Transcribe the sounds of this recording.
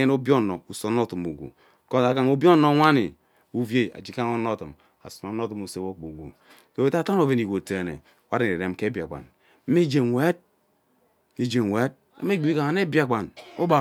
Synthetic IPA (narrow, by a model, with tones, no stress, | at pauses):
e˦n˦o˦bo˦˨no˨u˨so˨˦n˦o˦tu˨mo˨ɡʷṵ˨ | ko˦˨a˨ka˨ŋo˨bi˦o˦no˦wʷa˦ni˨ | u˦vje˦a̰˨d͡ʒi˦ka˦ŋo˦no˦˨tu˨m | a̰˨su˨ma˨˦no˦tu˨mo˨se˦wo˦ko˨ɡṵ˨ | to˨e˨˦ta˦ta˦no˨ve˨ni˨ɡʷo˨te˨nḛ˨ | wa˦ɾe˨n˨e˨ɾe˨m˦ke˦bi˨a̰˨ɡ͡ba̰˨n̩˦ | me˦d͡ʒe˨wʷe˦d̚ | e˨d͡ʒe˨we˦d̚ | a̰˦me˦ɡ͡bi˦i˦ka˨ŋa˨˦ne˦bi˦a˨ɡ͡ba˨no˦ba˨